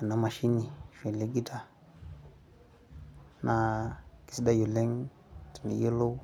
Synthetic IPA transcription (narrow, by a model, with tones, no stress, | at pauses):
a˨na˦ma˨ʃi˦ni˨fe˨le˦ɡi˦ta˨ | na˨ki̥˦sda˦ju˨le˦ŋ | ti̥˨nḭ˨ji˦lo˦